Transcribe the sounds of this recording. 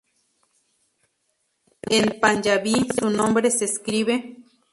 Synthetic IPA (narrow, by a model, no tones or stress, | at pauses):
enpand͡ʒaβisunombɾeseskɾiβe